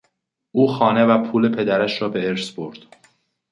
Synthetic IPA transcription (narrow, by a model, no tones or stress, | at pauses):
ʔuːxɒːne̞væpʰuːle̞pʰe̞d̪æɾæʃɾɒːbeeɾsboɾd̪̥